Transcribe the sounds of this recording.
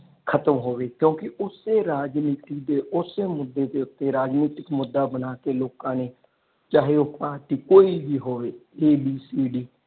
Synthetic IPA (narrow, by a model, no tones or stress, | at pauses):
kʰət̪əmɦoːʋeːkjõːkɪʊseːɾaːd͡ʒniːt̪ɪkd̪eːʔʊseːmʊd̪ːeːd̪eːʊt̪ːeːɾaːd͡ʒniːt̪ɪkmʊd̪ːaːbənaːkeːloːkãːneː | t͡ʃaːɦeːopaːʈiːkoːiːbiːɦoːʋeːeːbiːsiːɖiː